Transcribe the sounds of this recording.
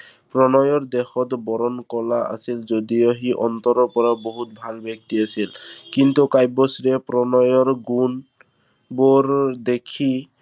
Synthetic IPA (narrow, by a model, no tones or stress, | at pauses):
pɹɔnɔjɔɹd̪ɛxɔt̪bɔɹɔnkɔlaa̰silzod̪ijoɦiʔɔnt̪ɔɾɔpɔɹaboɦut̪̚bʱalbɔk̚t̪iasilkint̪ukajbɔsɹɛpɹɔnɔjɔɹɡun | boɹd̪ekʰi